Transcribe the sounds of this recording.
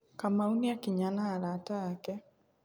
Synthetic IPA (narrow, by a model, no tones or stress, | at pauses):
kamauniakiɲanaːɾataːkɛ